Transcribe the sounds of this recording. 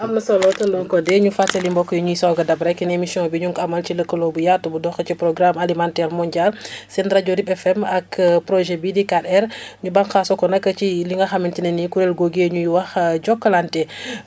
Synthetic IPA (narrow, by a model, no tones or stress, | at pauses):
ʔɐmnɐsolɔtundɔŋkɔdɛɲufaselimbɔkːɔjɲujisawɡɐdɐbɾakinemisiɔ̃biɲuŋkamɐlt͡ʃiləkːɐloːbujatubudɔxɐcipɾoɡɾamalimantɛɾmoɲɟalsɛntɾaɟoɾibɛfɛmɐkpɾoʒɛbidikadɛɾɲubaŋxasokɔnɐkɐciliŋɐxamintinɐnikuɾɛlɡoɡeɲujiwɐxɟɔkːɐlantɛ